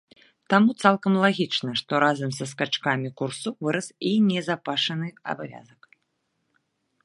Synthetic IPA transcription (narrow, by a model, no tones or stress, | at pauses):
t̪amut̪salˠkɐmlˠaɣʲit͡ʂnɐʂt̪ɔɾazɐmsɐs̬kat͡ʂkamʲikursuvɨɾɐsinʲɛzapaʂɐnɨɐ̰bavʲa̰zɐk